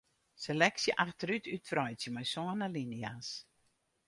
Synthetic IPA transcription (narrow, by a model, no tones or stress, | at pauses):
selɛksjəʔaxtəɾytʰytfrɔjsjəmajsɔənalinias